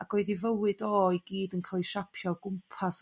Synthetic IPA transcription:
aɡ̥oɨðivəwɨdɔːiɡiːdənkʰalˠiʃapʰjɔɡʊmpʰas

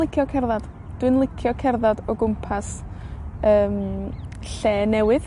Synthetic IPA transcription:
lˠɪkʰjɔkʰɛrðad̥ | d̥wɨnlˠɪkʰjɔkʰɛrðadɔɡʊmpʰas | əːm | ɬeːnɛwɨð

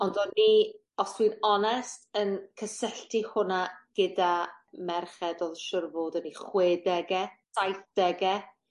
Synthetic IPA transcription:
ɔndɔni | ɔstʰwinɔnɛstənkʰəsɛɬtʰihʊnaɡ̥ədamɛrχɛdoːðʃʊrvoːdɔniχweːdɛɡɛsajθd̥ɛɡɛ

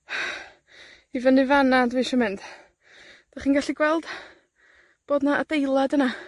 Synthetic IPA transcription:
ivənɨvanadviːʃɔmɪnd̥ | d̥aχiːnɡaɬiɡwɛlˠd̥ | b̥oːdnaʔadejlˠadəna

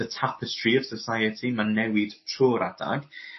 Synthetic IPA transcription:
ətʰapʰəstriəv̥səsajətʰimanːɛwɪd̥tʰruːɾʔada̰ɡ̥

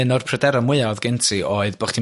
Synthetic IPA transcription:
ɨnɔrpʰrədɛɾɔmwɪaðɡɪntʰioːɨðb̥ɔχd̥i

